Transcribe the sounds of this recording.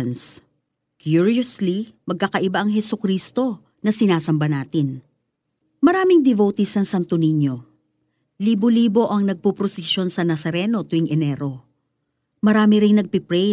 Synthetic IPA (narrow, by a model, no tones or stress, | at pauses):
ns | kjuɹioslimɐɡ̚kɐkɐʔɪbaʔɐŋɦɛsʊkɾiːst̪o̞ | nɐsɪnaːsɐmbɐnaːt̪ɪn | mɐɾaːmɪŋd̪ɛvowt̪ɪsɐŋsɐnt̪ʊniɲo̞ | liːboliːbo̞ʔɐŋnɐɡ̚pupɾosɛso̞nsɐnɐsɐɾɛno̞t̪ʊɪŋʔɛnɛɾo̞ | mɐɾaːmɪɾɪŋnɐɡ̚pɪpɾɛ